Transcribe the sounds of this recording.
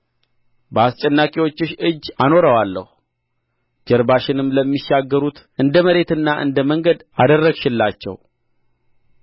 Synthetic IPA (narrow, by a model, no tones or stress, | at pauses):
bəast͡ʃʼɛnːakʼewo̞t͡ʃːɪʃɨd͡ʒːano̞ɾəwalːə̰h | d͡ʒəɾbaʃɪnɨmləmːiʃːaɡːəɾut̪ | ɨnd̪əməɾe̞t̪ɨnːaʔɨ̰nd̪əməŋɡəd̪ad̪ərːəɡʃɪlːat͡ʃːɛ̰w